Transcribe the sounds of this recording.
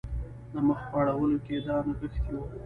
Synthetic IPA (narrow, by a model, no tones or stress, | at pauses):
d̪əməxpaɽawəloked̪ɑnaɣəxt̪iwə